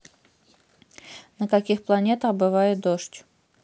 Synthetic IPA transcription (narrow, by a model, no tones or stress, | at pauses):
nəkɐkʲixplˠɐnʲe̞t̪əxbɨvajɪt̪̚d̪oʂtʲ